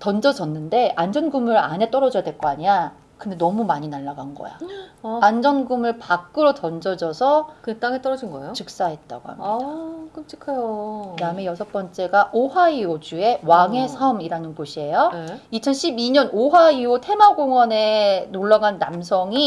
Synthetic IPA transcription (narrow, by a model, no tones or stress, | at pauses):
tʌnd͡ʑʌd͡ʑʌnːɯnde̞and͡ʑʌnɡumɯɾa̰ne̞t͈ʌɾʌd͡ʑʌjadwe̞ɭk͈oaɲia | kɯnde̞nʌmumaɲinaɭːaɡanɡʌ̰ja̰and͡ʑʌnɡumɯɭpak̚k͈ɯɾotʌnd͡ʑʌd͡ʑʌsʰʌkɯt͈aŋet͈ʌɾʌd͡ʑinɡʌḛjot͡ɕɯk̚s͈aɦe̞t̚t͈a̰ɡoa̰mkɯmt͡ɕ͈ʰi̥kʰɯjokɯdaɯmejʌsʰʌk̚p͈ʌnt͡ɕ͈e̞ɡaʔoɦaiod͡ʑue̞waŋe̞sʰʌmiɾanɯnɡoɕʰie̞joit͡ɕʰʌnɕʰibiɲʌnoɦaiotʰe̞maɡoŋwʌne̞noɭːaɡanːamsʰʌŋi